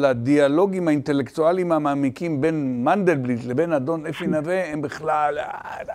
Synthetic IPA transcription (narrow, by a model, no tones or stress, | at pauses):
ladialo̞ɡimhaint̪e̞lektualimhamaːmikimbe̞nmand̪elblitlebenad̪o̞nefinaveembiχlal